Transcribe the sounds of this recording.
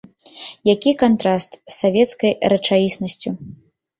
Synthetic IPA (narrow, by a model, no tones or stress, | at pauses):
jakʲikant̪ɾast̪sːavʲɛt̪skɐjrɐt͡ʂajʲisnɐsʲt͡sʲu